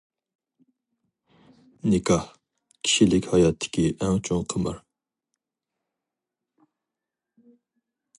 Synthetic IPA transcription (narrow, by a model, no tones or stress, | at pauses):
nɪkʰɑh | kʲʰi̥ʃilɪkʲhɑjɑt̪ʰːɪ̥kʲiʔɛŋt͡ʃʰoŋqʰəmə̰ɾ